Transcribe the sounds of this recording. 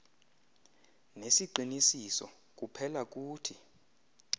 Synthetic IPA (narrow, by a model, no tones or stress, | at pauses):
nesiǃʱinisisɔ̰ | k̬upʰɛlak̬uːtʰi